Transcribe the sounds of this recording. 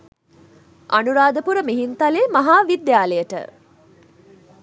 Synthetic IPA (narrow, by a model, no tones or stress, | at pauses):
ʔanuɾaːd̪əpuɾəmiɦint̪aleːmɐɦaːʋid̪jaːlejəʈə̰